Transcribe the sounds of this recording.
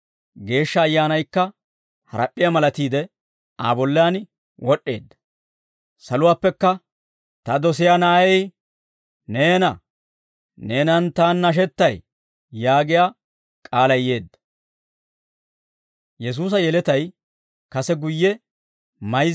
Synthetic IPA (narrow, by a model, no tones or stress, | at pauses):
ɡe̞ːʃːɐːjːaːnɐjkːɐ | hɐ̰ɾɐ̰pʼːɪjamɐlɐt̪iːd̪ɛ | a̰ːbɔlːɪjaːn | wɔɗːe̞ːd̪ːɐ̥ | sɐlʊwaːpːɛkːɐ | t̪ɐd̪ɔs̬ɪjaːnaːjɛj | neːnɐ | neːnɐnt̪aːnːɐʃ̬ɛt̪ːɐj | jaːɡɪjaː | kʼaːlɐjje̞ːd̪ːɐ̥ | jɛs̬uːs̬ɐjɛlɛt̪ɐj | kɐsɛɡʊjːɛ | mɐj